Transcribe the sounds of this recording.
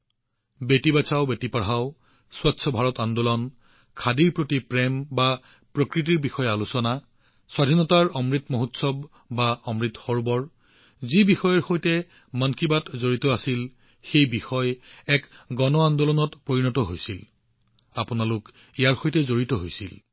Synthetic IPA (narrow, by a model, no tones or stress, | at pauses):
betibasʰaʊbetipaɹɦaʊ | swatsʰɔbʱaɹɔtandɔlɔn | kʰadiɹpɹotipɹɛmba | pɹokɹit̬iɹbixɔjalusɔna | swadʱinɔtaɹɔmɹitmoɦutsɔb | baɔmɹitxɔɹbɔɹ | zibixɔjɔɹxojtɛ | mankibatzoɹitɔasil | xejbixɔjɛkɡɔnɔandɔlɔnɔtpoɹinɔtɔɦojsil | apʊnalʊk | ijaɹxojtɛzoɹitɔɦojsil